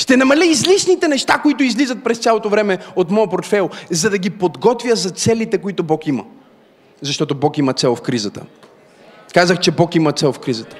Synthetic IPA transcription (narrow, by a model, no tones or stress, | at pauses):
ʃt̪ɛnɐmɐlʲiːzlisnit̪ɛnɛʃt̪akoit̪ʊizlizət̪̚pɾɛst̪sʲalˠot̪ovɾɛmɛot̪mɔɐpoɾt̪fɛlˠzɐd̪ɐɡipod̪ɡɔt̪vʲjəzɐt̪sɛlit̪ɛkoit̪obɔkimə̰ | zɐʃt̪ɔt̪obɔkimɐt̪sɛlˠfkɾizət̪ə̰ | kazəxt͡ʃɛbɔkimɐt̪sɛlˠfkɾizət̪ə̥